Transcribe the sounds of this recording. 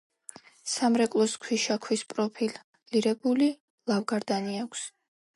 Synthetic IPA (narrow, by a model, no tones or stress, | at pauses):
samɾɛkʼlˠɔskʰwiʃakʰwispʼɾɔpʰil | liɾɛbuli | lˠavɡaɾd̪aniakʷʰs